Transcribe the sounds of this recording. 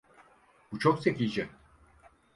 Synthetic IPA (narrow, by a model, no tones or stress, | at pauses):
but͡ʃʰoksekʲid͡ʒɛ